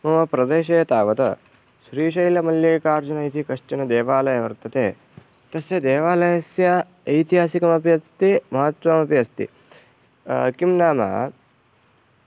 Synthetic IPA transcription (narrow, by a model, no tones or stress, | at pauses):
mɐʋɐpɾɐd̪eːʃeːt̪aːʋɐt̪ɐ̰ | ʃɾiːʃɐjlɐmɐljɐːkaːɾd͡ʒunɐit̪ʰikɐʂʈɐnɐd̪eːʋaːlɐjɐʋɐɾt̪ɐt̪eː | t̪ɐsjɐd̪eːʋaːlɐjɐsjɐː | jt̪iɦaːsikɐmɐpijɐst̪imɐɦɐt̪ʋɐmɐpijɐst̪ḭ | kimnaːmɐ̰